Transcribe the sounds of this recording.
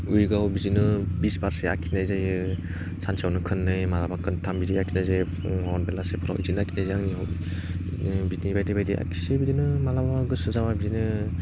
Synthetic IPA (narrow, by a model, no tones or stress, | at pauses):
ujɡawbizinɯbisbaɾsea̰kʰinajzajɯ | sʰansiawnɯkʰɯnːɯjmalabakʰɯntʰambidiakʰinɯjze | awɔnbelasepʰuɾa̰wizinɯakʰi̥nazeaŋniaw | binibajdebajdeʔa̰kʰi̥sibidinɯmalabaɡɯsɯzamabidinɯ